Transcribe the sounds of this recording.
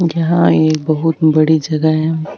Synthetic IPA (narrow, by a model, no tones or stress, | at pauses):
jɐɦãeːk̚bɐɦʊt̪bɐɽid͡ʒɐɡəɦɛ̃